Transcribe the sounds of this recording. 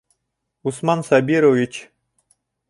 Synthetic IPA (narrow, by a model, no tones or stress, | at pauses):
usmɑnsabʲiɾovʲit͡ɕ